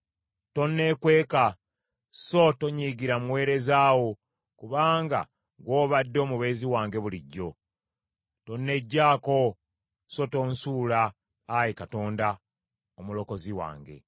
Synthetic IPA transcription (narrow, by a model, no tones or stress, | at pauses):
to̞nːe̞kwe̞ːka | so̞to̞ɲiɡiɾamuwe̞ːɾe̞zaːwo̞ | kuβaːŋɡa̰ | ɡwo̞ːβadːo̞ːmuβe̞ːziwaːŋɡe̞βuliɟːo̞ | to̞nːe̞ɟːaːko̞ | so̞to̞ːnsuːlaː | jekato̞ːnda | omulo̞ko̞ziwa̰ːŋɡe̞̰